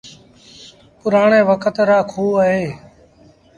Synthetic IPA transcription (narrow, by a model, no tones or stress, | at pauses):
pʊɾaːɳẽːʋəkʰət̪ɾaːkʰuːaːɦeː